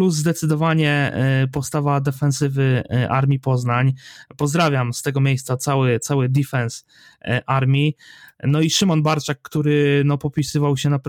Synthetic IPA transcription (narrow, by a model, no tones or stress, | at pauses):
pluzːd̪ɛt̪sɘd̪ɔvaɲɛpɔst̪avad̪ɛfɛ̃nsɘvɘʔa̰ɾmʲipɔznaɲpɔzd̪ɾavʲjamst̪ɛɡɔmʲjejst̪sat̪sawɘt̪sawɘd̪ʲifɛns | ʔaɾmʲjinɔiʂɘmɔnbaɾt͡ʂakːt̪uɾɘnɔpɔpʲisɘvawɕɛnapɾ